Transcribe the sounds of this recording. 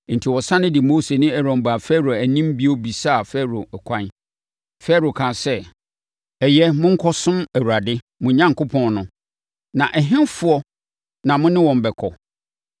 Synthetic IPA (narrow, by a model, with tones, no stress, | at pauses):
n̩˨tʰi˨wɔ˨sã˦nɪ̃˦dɪ˨moː˦se˨nɪ̃˦ɛ˨ɾɔ̃˨m˨ba˨fɛ˦ɾo˨æ˨nĩ˦m˦bi˦o˦bi˨sa˦˨fɛ˦ɾo˨ɛ˨kʷʰã˦n | fɛ˦ɾo˨kʰã˨sɛ˦ | ɛ˨jɛ˦mʊ̃˦ŋ̩˦kʰɔ˦sʊ̃˦mæ˨wu˨ɾa˨dɪ˦ | mʊ̃˨ɲã˦ŋko˦pʰɔ̃˨nnʊ̃˦ | nã˨ʔɛ˨ɦɪ̃˦nfʊ˦ɔ˦ | nã˨mʊ̃˦nɪ̃˦wɔ̃˨m˨bɛ˨kʰɔ˨